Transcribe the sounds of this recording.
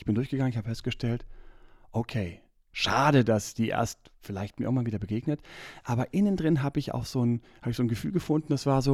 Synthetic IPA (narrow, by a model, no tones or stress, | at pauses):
ɪçb̥ɪndʊɐçɡ̥əɡaŋənçhabəfɛst̚ɡ̥əʃtɛltʔokʰeː | ʃaːɾədasd̥iːʔḛːɐstfɪlaɪçt̚miɐʔɪ̰ŋ̩vanviːdɐbəɡeːɡnətʔaːbɐʔɪnəndʁɪnɦaːbəɪça̰ʊxz̥oːnhaːbɪçz̥oːnɡəfyːlɡəfʊndn̩d̥asv̥aːɐzoː